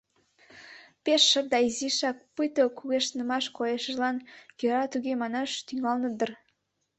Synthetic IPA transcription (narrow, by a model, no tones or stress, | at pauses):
peʃːəd̪ɑiziʃɑk̚pɨjt̪okuɣeʃnəmɑʃkojeʃə̆ʒlɑnjøɾɑt̪yɣemɑnɑʃt̪yŋɑlnəd̪ər